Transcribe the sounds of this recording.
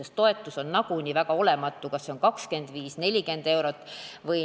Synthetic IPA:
est̪o̞e̞t̪ːˑuso̞nːɑɡunʲivæɡɑo̞le̞mɑt̪ːˑukɑsːeo̞nkɑkske̞nd̪̥viːsne̞lʲike̞nd̪̥e̞wɾo̞t̪ːˑvɤj

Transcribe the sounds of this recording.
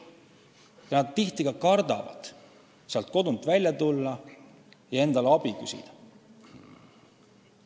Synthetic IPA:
jɑnɑd̪̥̚t̪ːiht̪iɡ̥ɑkɑrd̪̥ɑ̰vɑ̰d̪̥ | seɑlt̪̚ko̞d̪unt̪ːˑvælʲjɑt̪ulːɑ | jɑe̞nd̪̥ɑleɑb̥ikysḭd̪̥ɑ

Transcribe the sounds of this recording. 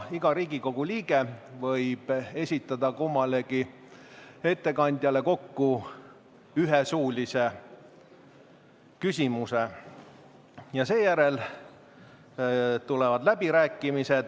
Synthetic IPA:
iɡ̥ɑɾiːɡ̥iko̞ɡ̥uliːɡ̥e̞vɤjb̥e̞sʲit̪ːˑɑd̪̥ɑkumːɑle̞ɡ̥i | e̞t̪ːe̞kɑnʲd̪̥jɑle̞ko̞kːu | yɦesuːlʲise̞ | kysʲimuse | jɑse̞ːjæɾe̞l | t̪ulɛvɑd̪læb̥iɾæːkːˑimised̪̥

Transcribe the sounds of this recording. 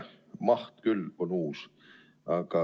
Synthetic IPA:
mɑht̪kylːonuːs | ɑkɑ

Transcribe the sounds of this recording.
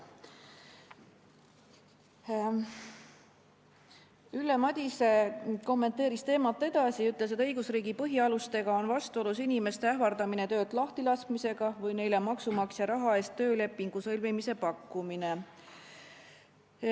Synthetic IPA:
ylːe̞mɑd̪̥ʲiseko̞mːe̞nt̪ːe̞ːɾist̪e̞ːmɑt̪ːˑe̞d̪̥ɑsiyt̪ːˑles̬et̪ɤ̞jɡ̥usriːɡipɤɦiɑlust̪e̞ɡɑo̞nvɑst̪uo̞lusinime̞st̪eæhvɑrd̪̥ɑmine̞t̪ø̞ːt̪lɑht̪ilɑskmise̞ɡ̥ɑvɯjne̞jlemɑksumɑksjɑɾɑɦɑe̞ːst̪ːø̞ːle̞pːˑiŋɡ̥usɤlvimise̞pɑkːumine

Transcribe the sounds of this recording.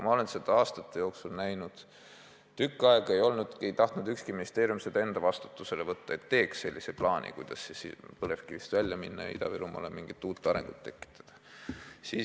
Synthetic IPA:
mɑo̞le̞nsed̪̥ɑɑːst̪ɑt̪ːe̞jo̞ːksulnæjnud̪̥ | t̪ykːˑɑeɡ̥e̞jo̞lnud̪̥ejt̪ɑht̪nud̪ykskiminʲist̪e̞ːɾiumsed̪e̞nd̪̥ɑvɑst̪u̥t̪ːuse̞le̞vɤt̪ːɑe̞t̪ːe̞ːksːe̞lːʔiseplɑːnʲʔḭkujd̪̥ɑsːesipɤlefkivist̪vælʲjɑminːɑjɑ̰ḭd̪ɑ̰viɾumɑ̰lemiŋɡ̥it̪ːuːt̪ːˑɑɾeŋɡ̥ṵt̪ːe̞kːˑi̥t̪ːˑɑ̥d̪̥ɑ̥siː

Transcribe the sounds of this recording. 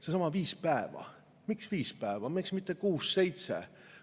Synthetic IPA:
sesɑmɑviːspæevɑ̰ | miksviːspæevɑmiksmit̪ːˑekuːsːe̞jt̪sḛ

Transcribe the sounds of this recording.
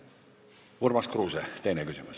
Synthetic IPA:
uɾmɑskrɾuːset̪e̞jnekysimus

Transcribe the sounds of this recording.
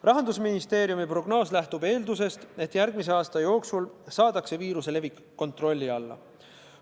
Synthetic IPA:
rɑɦɑnd̪usminist̪e̞ːɾjumipro̞ɡ̥no̞ːslæht̪ube̞ːld̪us̬e̞st̪e̞t̪ːˑjæɾɡ̥mis̬e̞ɑːst̪ɑjo̞ːksulsɑːd̪̥ɑkse̞viːɾuse̞le̞vikːo̞nt̪ro̞lʲːiɑlːɑ̰

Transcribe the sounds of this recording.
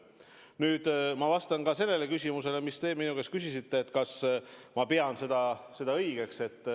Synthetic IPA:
nyːd̪̥mɑvɑst̪ɑnkɑse̞lːe̞le̞kysʲimuse̞le̞mist̪e̞ːminuke̞skysʲisit̪ːe̞ːt̪ːˑkɑsmɑpe̞ɑnse̞d̪̥ɑse̞d̪̥ɑɤjɡ̥e̞kse̞t̪ːˑ

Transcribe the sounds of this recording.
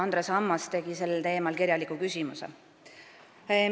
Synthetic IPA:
ɑnd̪ɾesɑmːɑst̪e̞ɡ̥ise̞lːelt̪e̞ːmɑlkiɾjɑlikːˑukysʲimusḛ

